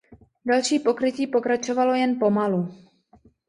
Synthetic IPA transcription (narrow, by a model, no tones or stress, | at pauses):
dalʃiːpo̞kɾɪciːpo̞kɾat͡ʃovalo̞jɛnpo̞malu